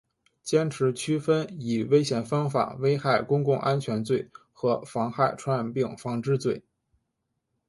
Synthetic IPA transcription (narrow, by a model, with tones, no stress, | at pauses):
t͡ɕjɛ˥nʈ͡ʂʰɻ̩˧˥t͡ɕʰy˥fə˥ni˨˩we˥ɪɕjɛ˧˩nfɑ˥ŋfa̰˨˩we˥ɪxa˥˩ɪkʊ˥ŋkʊ˥˧˩ŋʔa˥nt͡ɕʰɥɛ˧˥nt͡swe˥˩ɪ | xɤ˧˥fɑ˧˥ŋxa˥˩ɪʈ͡ʂʰwa˥npi˥˩ŋfɑ˥ŋʈ͡ʂɻ̩˥t͡swe˥˩ɪ